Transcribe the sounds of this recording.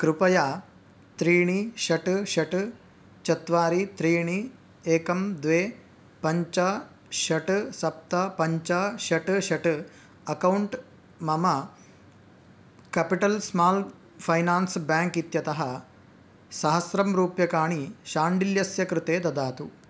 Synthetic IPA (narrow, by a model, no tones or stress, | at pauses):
kɾupɐjaː | t̪ɾiːɳiʃɐʈʃɐʈ | t͡ʃɐt̪ʋaːɾit̪ɾiːɳ̃i | eːkɐmd̪ʋeː | pɐɲt͡ʃɐ | ʃɐʈsɐp̚t̪ɐpɐɲt͡ʃɐʃɐʈʃɐʈ | ɐkɐwɳʈ | mɐmɐ | kɐːpiʈɐlsmaːl | pʰɐjnaːnsbaːŋkit̪jɐt̪ɐɦɐ | sɐɦɐsɾɐmɾuːpjɐkaːɳ̃iʃaːɳɖiljɐsjɐkɾɨt̪eːd̪ɐd̪aːt̪u